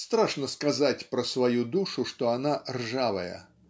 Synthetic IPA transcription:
st̪ɾaʂnɐskazat͡sʲpɾɐsvajud̪uʂuʂt̪ɔanarʐavɐ̰jɐ̰

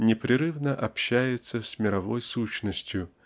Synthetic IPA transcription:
nʲɪpɾʲɪɾɨvnəʔɐpɕːæjɪt̪səsʲmʲɪɾɐvo̞jsuɕnəsʲtʲjʊ

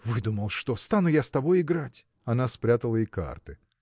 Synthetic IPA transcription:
vɨd̪uməlˠʂt̪ost̪anʊjast̪ɐbo̞jɪɡɾatʲ | ɐnaspɾʲat̪əlˠəɪka̰rt̪ɨ

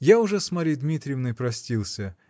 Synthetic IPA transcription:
jaʊʐɛsmɐɾʲid̪mʲit̪ɾʲɪjɪvnɨjpɾɐsʲtʲilˠsʲə

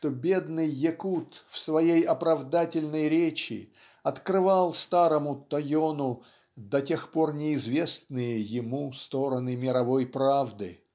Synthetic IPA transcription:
ʂt̪obʲe̞d̪nɨjːɪkut̪fsvɐjejɐpɾɐvd̪atʲɪlʲnəjɾʲet͡ɕɪ̰ | ɐt̪kɾɨvalˠst̪aɾəmʊt̪ɐjonʊ | d̪ɐtʲe̞xpo̞rnʲɪɪzvʲe̞snɨjəjɪmust̪o̞ɾənɨmʲɪɾɐvo̞jpɾavd̪ɨ̰

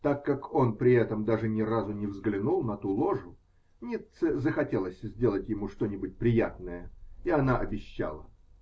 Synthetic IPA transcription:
t̪akːako̞npɾʲɪɛt̪əmd̪aʐɨnʲɪrazʊnʲɪvzɡlʲɪnulˠnɐt̪ulˠo̞ʐʊ | nʲit̪səzəxɐtʲe̞lˠəsʲzʲdʲe̞lˠətʲjɪmuʂt̪o̞nʲɪbʊt̚ʲpɾʲɪjat̪nəjəiɐnaʔɐbʲɪɕːa̰lˠə

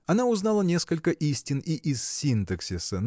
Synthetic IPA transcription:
ɐnaʊznalˠənʲe̞skəlʲkəʔisʲtʲɪniʔɪz̥sʲint̪əksʲɪsən

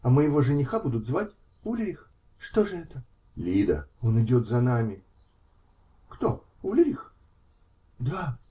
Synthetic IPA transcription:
ɐməjɪvo̞ʐɨnʲɪxabud̪ʊt̪zvatʲ | ulʲɾʲɪx | ʂt̪o̞ʐɨɛt̪ə | lʲid̪ə̰o̞nɨdʲo̞t̪zɐnamʲɪ | kt̪o̞ | ulʲɾʲɪx | d̪a

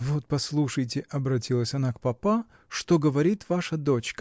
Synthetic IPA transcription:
vo̞t̪̚pɐslˠuʂəjtʲɪʔɐbɾɐtʲilˠəsʲɐnakpɐpa | ʂt̪o̞ɡəvɐɾʲit̪vaʂəd̪o̞t͡ɕkə

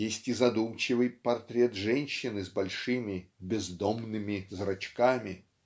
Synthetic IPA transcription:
jesʲtʲɪzɐd̪umt͡ɕɪvɨjpɐrt̪ɾʲɛt̪ʐɛnʲɕːɪnɨzbɐlʲʂɨmʲɪbʲɪzd̪omnɨmʲɪzrɐt͡ɕkamʲɪ

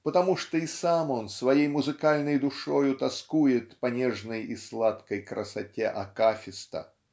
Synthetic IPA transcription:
pət̪ɐmuʂt̪oisamonsvɐjejmʊzɨkalʲnəjd̪ʊʂojʊt̪ɐskujɪt̪pɐnʲɛʐnəjislˠat̪kəjkɾə̰satʲeʔɐkafʲɪst̪ə̰

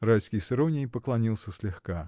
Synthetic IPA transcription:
rajskʲɪjsɪɾonʲɪjpəklˠɐnʲilˠsʲəsʲlʲɪxka

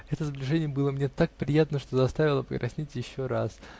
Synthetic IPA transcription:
ɛt̪əzəblʲɪʐɛnʲɪjəbɨlˠəmnʲet̪ak̚pɾʲɪjat̪nəʂt̪o̞zɐst̪avʲɪlˠəpɪkɾɐsʲnʲitʲjɪɕːoɾas

